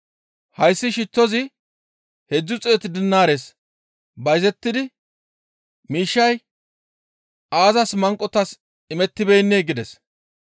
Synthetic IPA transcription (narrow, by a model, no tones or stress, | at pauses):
hɐjsːɪʃɪtːɔzɪ | hɛd͡zːʊt͡sʼeːt̪ɪd̪ɪnːaːɾeːs | bɐjzɛt̪ːɪd̪ɪ | miːʃːɐj | aːzɐsmɐŋkʼːɔt̪ɐs | ɪmɛt̪ːɪbejnːeːɡɪd̪ɛs